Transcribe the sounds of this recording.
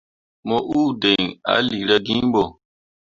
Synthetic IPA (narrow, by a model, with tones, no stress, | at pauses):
mo˦ʔu˦de˨ŋa̰˦li˨ɾa˦ɡĩ˦ɓo˨